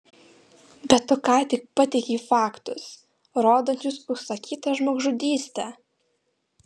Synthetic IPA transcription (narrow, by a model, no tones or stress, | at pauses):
bʲɛt̪ːokɑːt̪ʲɪk̚pɑt̪ʲɛɪkʲiːfɑːkt̪ʊs | ɾoːd̪ɐnʲt͡ʃʲʊsʊsɐkʲiːt̪ɐʒmoːɡʒʊd̪ʲiːsʲt̪ʲæ